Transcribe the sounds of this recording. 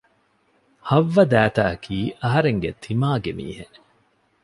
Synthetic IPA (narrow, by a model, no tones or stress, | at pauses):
hɐʋːɐd̪æːt̪aːɐkʰiːʔɐɦɐɾeŋɡet̪ʰimaːɡemḭːhe